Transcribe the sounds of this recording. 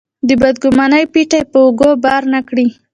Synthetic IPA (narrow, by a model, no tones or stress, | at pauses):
d̪əbad̪ɡʊmɑnəjpiʈajpəʊɡobɑɾnakɽi